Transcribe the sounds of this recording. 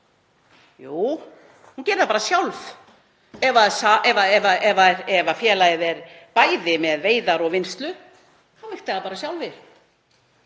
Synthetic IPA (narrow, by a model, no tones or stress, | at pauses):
juː | huncɛːɾɪðapaːɾasjawlv | ɛvaðsaʔɛvaɛvaɛvaɛɾɛvafjɛːlajðɛɾpaːjðɪmɛðveːjðaɾɔɣvɪnst̪lʏ | θawvɪht̪aapaːɾasjawlvɪ